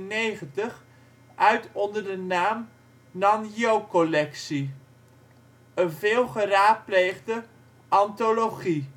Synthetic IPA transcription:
nejχəntəχ | ʔœɥtɔndəɹdənaːm | nɑnjowkɔlɛksi | ənvɪːlˠχəraːt̚plejχdə | ʔɑntoloχi

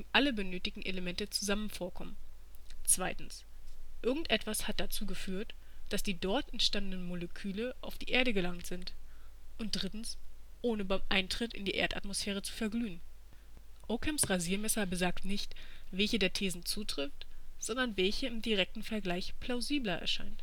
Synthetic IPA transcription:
ɪmʔaləbənøːtɪɡŋ̩ʔeləmɛntət͡suzamənfoːɐkʰɔmən | t͡sv̥aɪtn̩sʔɪɐɡŋ̩tʔɛtv̥ashat̚d̥at͡suːɡəfyːɐt | d̥asd̥iːdɔɐtɛntʃtandənənmoləkʰyːləʔa̰ʊfd̥iːʔeːɐɾəɡəlaŋtz̥ɪntʔʊnt̚d̥ʁɪtn̩sʔoːnəbaɪmʔaɪntʁ̥ɪtɪ̰ndiːʔḛːɐta̰tmosfɛːʁ̞ət͡su̥fɛɐɡlyːən | ʔokʰɛmsʁaziːɐmɛsɐbəzaːktnɪçtvɛlçədeːɐtʰeːzn̩t͡suːtʁ̥ɪftz̥ɔndɐnvɛlçəɪmdiʁɛk̚tn̩fɛɐɡlaɪçpʰl̥aʊziːblɐʔɛ̰ɐʃaɪnt

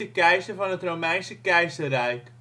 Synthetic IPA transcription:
əkɛjsəvɑnətrowmɛjnsəkɛjsərɛjk

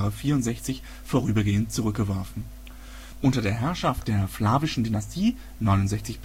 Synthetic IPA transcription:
ʁəfiːɐʊntz̥ɛçt͡sɪç | foːʁyːbɐɡeːəntt͡suʁ̞ʏk̚ɡ̥əvɔɐfn̩ | ʔʊntɐdeːɐɦɛɐʃaft̚d̥eːɐflaːvɪʃn̩dynastʰiː | nɔʏnʊntzɛçt͡sɪçb̥

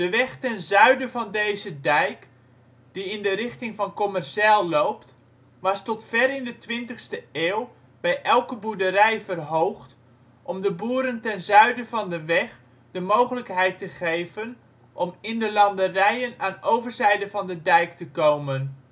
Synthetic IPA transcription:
d̥əʋɛχtɛnzœɥdəvɑndejzədɛjk | d̥iɪndəɾɪχtɪŋvɑnkɔmɛrʃaːlˠːowpt | ʋɑstɔtfɛrɪndətʋɪntəχstəeːwˠ | b̥ɛjʔɛlˠkəbuɹdəɾɛjvərɦowχt | ʔɔmdəbuːɾəntɛnzœɥdəvɑndəʋɛχ | dəmowχələkɦɛjtəχejvən | ʔɔmɪndəlɑndərɛjənaːnowvərzɛjdəvɑndədɛjktəkowmən

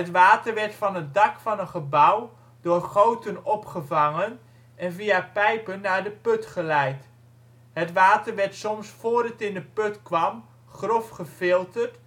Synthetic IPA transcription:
ətʋaːtəɹʋɛɹtfɑnət̚dɑkfɑnənχəbʌw | dʊːɹχowtənɔpχəvɑŋən | ɛnviapɛjpənːaːɹdəpɵtχəlɛjt | ɦətʋaːtəɹʋɛɹtsɔmsfʊːɹdətɪndəpɵtkʋɑm | χrɔfχəfɪlˠtərt

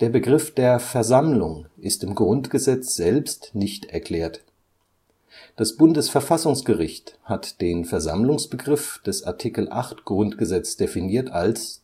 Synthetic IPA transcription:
d̥eːɐbəɡʁɪfd̥eːɐfɛɐzamlʊŋʔɪstɪmɡʁʊntɡ̥əzɛt͡sz̥ɛlpstnɪçtɛɐkl̥ɛːɐt | d̥asb̥ʊndəsfɛɐfasʊŋsɡ̥əʁɪçthatd̥eːnfɛɐza̰mlʊŋsb̥əɡʁɪfd̥ɛsa̰ɐtʰikl̩ʔa̰χtɡ̥ʁʊntɡ̥əzɛt͡sd̥efiniːɐtals

